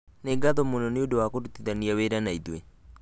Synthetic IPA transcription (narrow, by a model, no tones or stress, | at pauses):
neɡat̪ɔmononeodowakodut̪ːit̪aniaweɾanaid̪ue